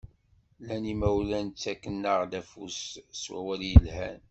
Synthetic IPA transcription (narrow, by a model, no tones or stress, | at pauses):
lænimæwlænt͡sːækːənːəʁd̪æfusswæ̰wælijəlhæ̰n